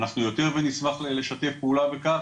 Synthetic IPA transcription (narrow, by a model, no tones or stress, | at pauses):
naχnujo̞t̪e̞ʁvenismaχlleʃat̪e̞fpeulaveka